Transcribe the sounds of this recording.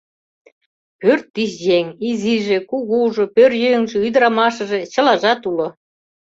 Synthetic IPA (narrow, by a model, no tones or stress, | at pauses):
pørt̪ːiʃjeŋiziʒĕkuɣuʒŏpørjøŋʒĕyjd̪ə̆ɾɑmɑʃɤ̆ʒĕt͡ɕə̆lɑʒɑt̪ulŏ